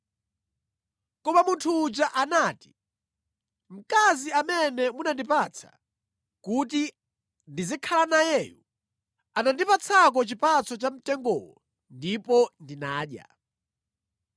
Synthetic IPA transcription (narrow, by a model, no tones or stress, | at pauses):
kɔmamuntʰuːd͡ʒaʔanaːti̥ | m̩kaziamɛnɛmunandipat͡sʰa̰ | kuti | ndizikʰalanajɛːjṵ | anandipat͡sʰak̬ɔt͡ʃipat͡sʰɔt͡ʃam̩tɛŋɡɔ̰wɔ | ndipɔndinaːɗja̰